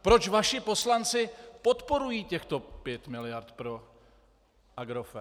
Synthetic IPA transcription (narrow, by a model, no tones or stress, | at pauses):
pɾo̞t͡ʃvaʃɪpo̞slant͡sɪpo̞t̪po̞ɾujiːcɛxt̪o̞pjɛt̪mɪlɪjaɾt̪pɾo̞ | ʔaɡɾofɛ